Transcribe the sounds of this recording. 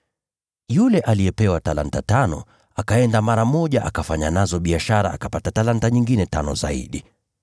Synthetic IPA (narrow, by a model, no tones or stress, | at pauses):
julɛʔalijɛpɛwatala̰ntatanɔ̰ | akaɛndamaɾamɔʄaʔakafaɲanazɔɓiaʃaɾa̰akapatatalantaɲiŋɡinɛtanɔ̰za̰ḭɗi